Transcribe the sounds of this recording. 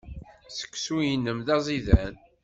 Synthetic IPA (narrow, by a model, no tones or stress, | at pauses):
sə̥kːsujənːəmðɑzˤiðæn